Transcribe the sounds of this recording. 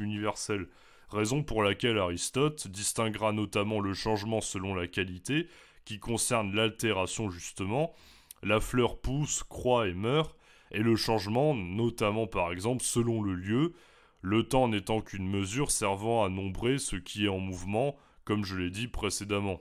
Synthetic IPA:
ynivɛʁsɛl | ʁezɔ̃puʁlakʲɛlaʁist̪ɔt̪d̪ist̪ɛ̃ɡʁanɔt̪amɑ̃ləʃɑ̃ʒmɑ̃səlɔ̃lakʲalit̪e | kʲikɔ̃sɛʁnlalt̪eʁasjɔ̃ʒyst̪əmɑ̃ | laflœʁpuskχwaemœʁ | eləʃɑ̃ʒmɑ̃nɔt̪amɑ̃paʁɛɡzɑ̃plsəlɔ̃ləljø | lət̪ɑ̃net̪ɑ̃kynməzyʁsɛʁvɑ̃anɔ̃bʁesəkʲʰiɛɑ̃muvmɑ̃ | kɔmʒəlɛd̪ipχesed̪amɑ̃

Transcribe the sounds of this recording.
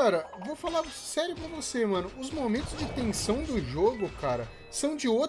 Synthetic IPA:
aɾɐvofalaɾsɛɾjʊpɾɐvosemɐ̃nʊːzmomẽnt̪ʊzd͡ʒɪt̪ẽsɐ̃w̃d̪ʊʒoɡʊkʰaɾɐ | sɐ̃w̃d͡ʒɪo

